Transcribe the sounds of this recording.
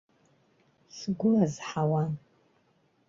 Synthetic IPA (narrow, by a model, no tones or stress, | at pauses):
sɡʷʊlazħawan